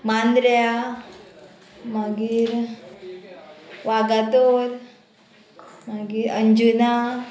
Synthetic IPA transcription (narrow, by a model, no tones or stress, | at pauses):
mand̪ɾəja | maɡiːɾ | ʋaɡat̪oɾ | maɡiːɾəɲd͡ʒuna